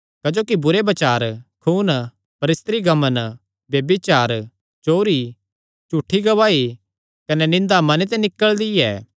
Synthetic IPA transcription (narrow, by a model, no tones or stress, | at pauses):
kɐd͡ʒoːkibʊɾebɐt͡ʃaːɾkʰuːn | pɐɾɪst̪ɾiɡɐmən | bjɐbit͡ʃaːɾ | t͡ʃoːɾi | t͡ʃuːʈʰːiɡɐʋaːi | kɐnɛnɪ̃nd̪amɐnet̪̬ɛ̃nɪkːəɭd̪iɛ̰ː